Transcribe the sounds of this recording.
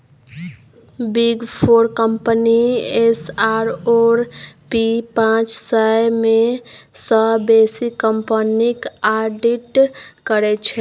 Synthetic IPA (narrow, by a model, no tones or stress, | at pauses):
biɡpʰoɾkəmpəniesaɾoɾpipãt͡ʃsəjmesəbesikːəmpənikaɖiʈkəɾɛt͡ʃʰɛ